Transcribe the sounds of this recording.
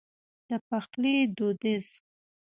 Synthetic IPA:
d̪̥əpaxlid̪od̪ɪz

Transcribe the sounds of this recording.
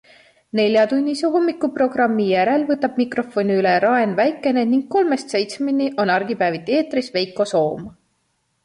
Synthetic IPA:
ne̞lʲjɑt̪unʲːiseɦomːikːˑupro̞ɡ̥rɑmːijæɾe̞lvɤt̪ːɑb̥̚mikro̞fo̞niyleɾɑe̞nvæjkːˑe̞neniŋɡ̥̚kːo̞lme̞st̪se̞jt̪smenʲiʔo̞nɑrɡ̥ipæːvit̪ˑeːt̪risve̞jkːˑo̞so̞ːm

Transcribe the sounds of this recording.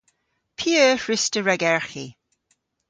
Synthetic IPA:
pʰiəɹɪstəɹɛɡɛɹxi

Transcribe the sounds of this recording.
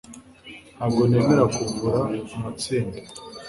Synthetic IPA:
naːb̚ɡo̞neːmeɾakuvuɾaumat͡siːnde

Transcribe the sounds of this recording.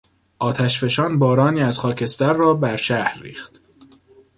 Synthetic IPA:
ʔɒːt̪ʰæʃfe̞ʃɒːnbɒːɾɒːniːæzxɒːcʰe̞st̪æɾːɒːbæɾʃæhɾːḭːxt̪

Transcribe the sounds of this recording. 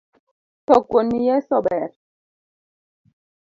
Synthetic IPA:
tɔɡonijɛsɔɓɛɾ

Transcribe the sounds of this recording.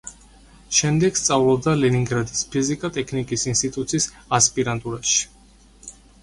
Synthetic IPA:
ʃɛmd̪ɛɡst̪sʼavlˠɔb̚d̪alɛniŋɡɾad̪ispʰizikʼat̪ʼɛkʰnikʼisinst̪ʼit̪ʼut̪sʰis | aspʼiɾant̪ʼuɾaʃi̥

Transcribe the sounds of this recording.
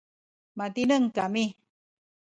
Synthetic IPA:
mat̪inəŋkami

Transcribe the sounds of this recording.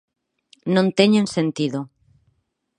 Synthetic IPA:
nõnt̪eɲõnsent̪iðo

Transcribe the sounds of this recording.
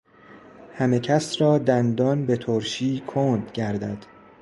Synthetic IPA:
hæmecʰæsɾɒːd̪ænd̪ɒːnbe̞t̪ʰoɾʃiːkʰoːnd̪ɟæɾd̪æd̪̥

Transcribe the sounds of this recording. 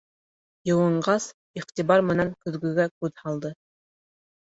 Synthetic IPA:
jɤ̆wɤ̆ɴɢɑs | iqt̪ibɑɾmɤ̆nɑŋkɵ̆ðɡɵ̆ɡækʉðhɑlˠd̪ɤ

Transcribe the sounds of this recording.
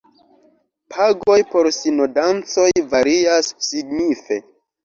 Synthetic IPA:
pʰaɡo̞jpo̞ɾsinodant͡so̞jvaɾiasːiɡnife̞

